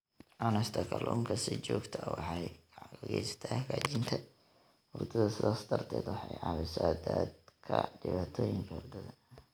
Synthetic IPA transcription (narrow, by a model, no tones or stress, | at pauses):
ʔɐnɛst̪ʰɐkʰɐlʔɔːŋkʰɐsɪt͡ʃɔːɡt̪ʰɐwɑħɑj | ɡɛjsɐ̥t̪ʰaːkat͡ʃɪnt̪ʰɐ | wʊrt̪ʰɐðɐsɪðaːsd̪ɐrt̪ʰɛ̰ːd̪wɑħɑjʕɑːβɪsaːd̪ad̪kʰɐɖɪβaːt̪ʰɔːjɪŋkʰɐd̪ɐðɐ